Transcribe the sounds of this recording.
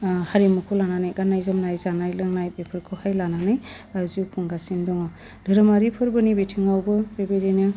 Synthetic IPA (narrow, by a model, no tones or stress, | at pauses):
haɾimɯkʰulananajkanajzɯmnajzanajlɯŋnajbepʰɯɾkʰɯhajlananɯj | azukʰɔŋɡasindɔŋɔ | dɯɾɯmaɾipʰɯɾbɯnibetʰiŋawbɯbebedinɯ